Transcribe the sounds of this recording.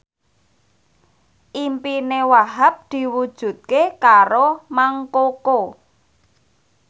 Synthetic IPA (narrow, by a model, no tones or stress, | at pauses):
ʔimpinewaɦap̚d̪̥i̤wud̥ʒ̥ṳt̪̚kekaɾomaŋkoko